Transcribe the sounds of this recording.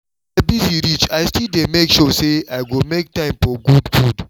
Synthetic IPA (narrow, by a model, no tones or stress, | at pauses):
aɪbiziɾit͡ʃaɪstildemekʃɔseaɪɡomek̚tãɪ̃mfɔɡudɡud